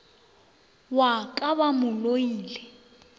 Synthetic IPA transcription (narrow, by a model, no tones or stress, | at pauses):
wakʼaβamʊlojiːlɛ